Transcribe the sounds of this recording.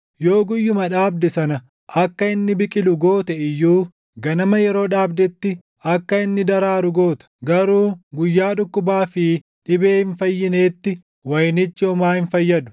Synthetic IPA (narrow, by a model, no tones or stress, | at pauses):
jo̞ːɡʊjːʊmɐᶑaːb̚d̪ɛsɐnɐ | ʔɐkːɐɪnːɪbɪkʼɪlʊɡo̞ːt̪ɛɪjːuː | ɡɐnɐmɐjɛɾo̞ːᶑaːbd̪ɛt̪ːɪ | ɐkːɐɪnːɪd̪ɐɾaːɾʊɡo̞ːt̪ɐ̥ɡɐɾuːɡʊjːaːᶑʊkːʊbaːfɪ | ᶑɪbe̞ːhɪnfɐjːɪne̞ːt̪ːɪ | wɐjnɪt͡ʃːɪɔmaːhɪnfɐjːɐd̪ʊ̥